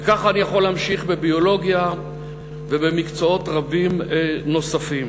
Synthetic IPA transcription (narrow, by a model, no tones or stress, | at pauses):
kaχanijaχo̞lamʃiχbebio̞lo̞ɡja | vebe̞mikt͡soo̞tʁabimno̞safim